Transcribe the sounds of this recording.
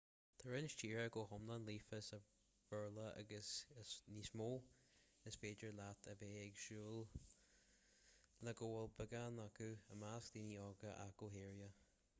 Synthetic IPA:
t̪ʰəɹɪnʃt͡ʃiːɹəɡoːhɔmlanliːfəsə | v̥əɹləʔa̰ɡəsəsniːsmoː | əsfeːd͡ʒəɹlat̪ʰəveːɛɡʃuːl | ləɡoːəlbəɡanakuəmaskd̪iniːɔːɡəʔa̰ɡoːɦeːɹjə

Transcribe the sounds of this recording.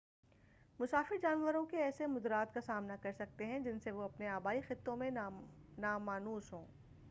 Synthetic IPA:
mʊsaːfɪɾd͡ʒaːnʋəɾõkeɛːsemʊd̪ɾaːt̪kasaːmnakɐɾsɐk̚t̪eɦɛ̃d͡ʒɪnseʋoɐpneaːbaːixɪt̪ːõmẽnaːmaːnuːsɦõː

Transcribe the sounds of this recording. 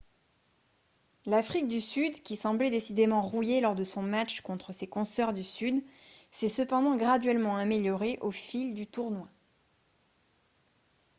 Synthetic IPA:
lafχik̚d̪ysyd̪kʲisɑ̃blɛd̪esid̪emɑ̃ʁujelɔʁd̪əsɔ̃mat͡ʃkɔ̃t̪χəsekɔ̃sœʁd̪ysyd̪sɛsəpɑ̃d̪ɑ̃ɡʁad̪ɥɛlmɑ̃ameljɔʁeʔofild̪yt̪uʁnwa

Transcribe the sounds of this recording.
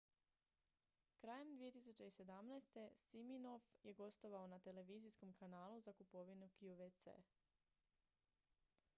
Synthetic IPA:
kɾaːje̞md̪ʋije̞t̪isut͡ɕe̞ise̞d̪amnɛːst̪e̞simino̞fje̞ɡo̞st̪o̞ʋaonat̪e̞le̞ʋiːzisko̞mkanaːluzakupo̞ʋinukiuʋet̪sḛː

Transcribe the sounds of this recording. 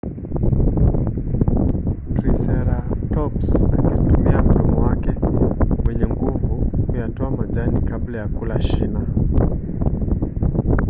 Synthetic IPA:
tɾisɛɾatɔpsnaŋɛtumiam̩ɗɔmɔwakɛwɛɲɛŋɡuvukujatɔamaʄanikablajakulaʃina

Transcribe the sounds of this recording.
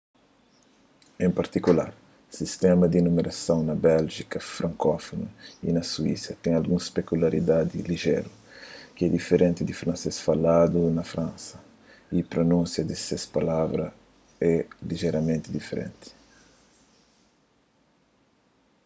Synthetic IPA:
ẽmpaɾt̪ikula̰ɾ | sist̪ɛmɐd̪inumeɾʔasõwnɐbɛlʒikɐfɾʔãŋkɔfonuḭnɐsuḭsɐt̪ɛ̃ŋ̃alɡuŋspekulaɾḭd̪ad̪iliʒɛ̰ɾu | kɪɛd̪ifeɾʔẽnt̪ɪd̪ifɾɐ̃nsesfalad̪unɐfɾãnsɐ | ipɾonũnsjɐd̪ɪsespalavɾɐ | ɛliʒeɾɐmẽnt̪ɪd̪ifeɾḛ̃nt̪ɪ̥

